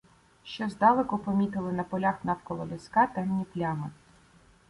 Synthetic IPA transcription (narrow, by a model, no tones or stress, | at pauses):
ʃt͡ʃɔzd̪ɑlˠekʊpɔmʲit̪ɪlˠɪnɐpɔlʲaxnɑwkɔlˠɔlʲiskɑt̪ɛmnʲiplʲamɪ